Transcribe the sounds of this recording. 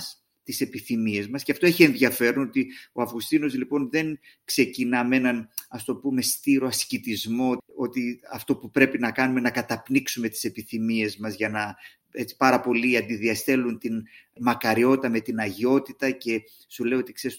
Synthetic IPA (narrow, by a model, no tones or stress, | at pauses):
s | t̪ise̞piθimie̞zmɐsceɐft̪o̞eçie̞nðjɐfe̞ɾono̞t̪io̞ɐvɣust̪ino̞zlipo̞nðe̞n | kse̞cinɐme̞nɐnɐst̪o̞pume̞st̪iɾo̞ɐscit̪izmo̞o̞t̪iɐft̪o̞pupɾe̞pinɐkɐnume̞nɐkɐt̪ɐpniksume̞t̪i̥se̞piθimie̞zmɐzʝɐnɐ | e̞t͡si̥pɐɾɐpo̞liɐnd̪iðiɐst̪e̞lunt̪inmɐkɐɾio̞t̪i̥t̪ɐme̞t̪inɐʝio̞t̪it̪ɐce̞ | suleio̞t̪ikse̞ɾis